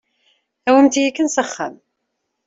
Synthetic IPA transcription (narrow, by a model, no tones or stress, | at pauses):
æwəmt̪jikːənsəχːə̰m